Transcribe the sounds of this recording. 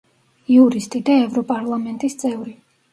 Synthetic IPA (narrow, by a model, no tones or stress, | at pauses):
iuɾist̪ʼid̪aɛvɾɔpʼaɾlˠamɛnt̪ʼist̪sʼɛvɾi